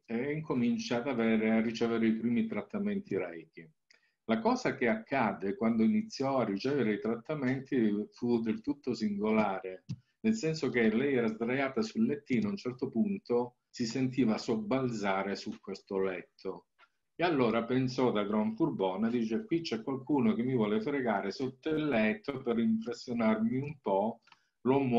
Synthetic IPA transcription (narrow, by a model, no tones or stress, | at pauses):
eiŋkʰomint͡ʃad̪avɛːɾearːit͡ʃɛːveɾeipɾiːmit̪ɾat̪ːamɛnt̪iɾɛjk̟i | lakɔːzak̟eakʰːaːd̪ekwand̪oinit̪sːjɔarːit͡ʃɛːveɾeit̪ɾat̪ːamɛnt̪ifud̪elt̪ut̪ːosiŋɡolaːɾe | nelsɛnsok̟elɛjɛːɾazd̪ɾajaːt̪asulːet̪ːiːnoaunt͡ʃɛrt̪opunt̪o | sisent̪̬iːvasobald̪zaːɾesukːwest̪olɛt̪ʰːo | ealːoːɾapensɔd̪aɡɾɔɱfurbɔːnad̪iːt͡ʃekwit͡ʃːɛkːwalkuːnok̟emːivwɔːlefɾeɡaːɾesot̪ːalːɛt̪ʰːoperimpɾesːjonarmiumpɔ | lom